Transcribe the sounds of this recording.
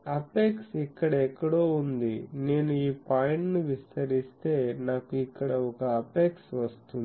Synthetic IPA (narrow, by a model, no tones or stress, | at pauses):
ɐpeːksikːɐɽɐɛkːɐɽo̞ːund̪ine̞ːnuiːpaːjiɳʈnuʋist̪ɐɾist̪e̞ːnaːkuikːɐɽɐɔkɐɐpeːksʋɐstt̪un